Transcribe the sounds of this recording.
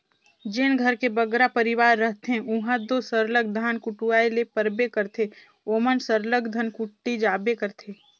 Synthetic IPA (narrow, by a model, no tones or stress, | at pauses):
d͡ʒenɡʱəɾkebəɡɾapəɾɪʋaːɾːəɦt̪eɦɛ̃uɦãd̪osəɾləɡ̚d̪ʱaːnkʊʈuaːilepəɾbekəɾt̪ʰe | oːmənsəɾləɡd̪ʱənkʊʈːid͡ʒaːbekəɾt̪ʰeː